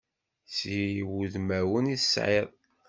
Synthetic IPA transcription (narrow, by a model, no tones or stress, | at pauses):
swuðmæwəniθsʕeðˤ